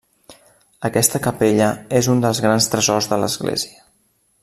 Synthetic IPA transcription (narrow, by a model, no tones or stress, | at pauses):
əkɛst̪əkəpeʎəezund̪əlˠzɣɾanst̪ɾəzɔzðələ̰zɣlḛziə